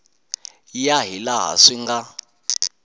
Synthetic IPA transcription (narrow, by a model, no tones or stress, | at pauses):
jaɦilaɦa̰ʂiŋɡa